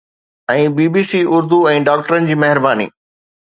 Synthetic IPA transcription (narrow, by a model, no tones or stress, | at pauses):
ɛ̃ːbiːbiːsiːʊɾd̪uɛ̃ːɖaːk̚ʈəɾənɪ̆d͡ʑiːmɐɦɪɾbaːnḭː